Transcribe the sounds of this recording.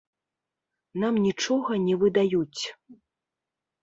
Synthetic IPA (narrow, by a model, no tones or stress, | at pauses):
namnʲit͡ʂɔɣɐnʲɛvɨd̪ajut͡sʲ